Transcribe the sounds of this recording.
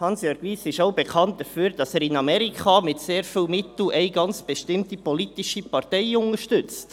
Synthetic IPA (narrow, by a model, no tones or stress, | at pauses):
hɑnsjøːɾɡ̥ʋiːsɪʃoʊbɛkʰɑnt̚d̥əfyːɾd̥ɑsæːɾɪnɑmɛɾikχɑːmɪtseːɾfilmɪtl̩ɛɪɡɑnt͡sb̥ɛʃtɪmtipolitiʃipɑrtɛɪʊŋəʃtʏt͡st